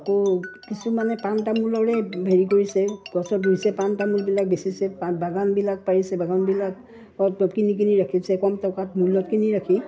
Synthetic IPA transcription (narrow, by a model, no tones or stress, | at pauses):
akokisumanɛpantamulɔɹɛbʱeɹikoɹisɛɡɔsɔdusɛpantamulbilak̚besisɛpabaɡanbilak̚paɹisɛbaɡanbilak̚ | ɔtɔkinik̬iniɹakʰisɛkɔmtɔkatmulːɔt̚kiniɹakʰi